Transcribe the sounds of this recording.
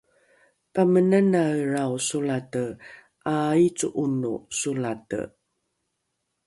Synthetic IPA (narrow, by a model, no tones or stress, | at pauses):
pamənənarawsulatə | ʔait͡suʔunṵsulatə̰